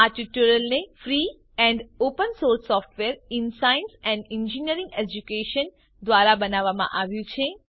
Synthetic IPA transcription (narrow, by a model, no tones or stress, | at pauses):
aʈiʈuɾəlnefɾi | ɛ̃ɳɖopənsoɾsɔfʈʋeɾɪnsaɪnsɛ̃ɳɖɪnd͡ʒiniəɾĩŋɡed͡ʒukeʃən | d̪ʋaɾabənaʋːamã̰ʔaʋjũt͡ʃʰe